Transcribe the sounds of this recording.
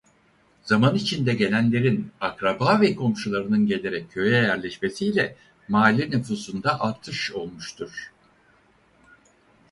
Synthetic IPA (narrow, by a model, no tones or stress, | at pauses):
z̥amanit͡ʃʰind̪ɛɟe̞lʲænlʲe̞ɾinakɾabaːvɛkʰo̞mʃulˠaɾɯnɯnɟe̞lʲe̞ɾɛcʰːø̞jɛjæɾlʲɛʃmesijlʲɛ | maːlʲinyfuːsund̪aʔalt̪ʰɯʃo̞lˠmuʃt̪ʰuɾ̥